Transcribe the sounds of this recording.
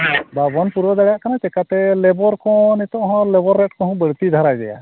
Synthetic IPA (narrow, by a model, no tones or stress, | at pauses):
babɔnpuɾɔd̪aɽjaʔkanat͡ʃɛkat̪ɛlɛbɔɾkɔ̃nit̪ɔ̃ʔɦɔ̃lɛbɔɾːɛʈkɔɦɔ̃bəɽt̪id̪ʱaɾajd̪ɛ̰ja̰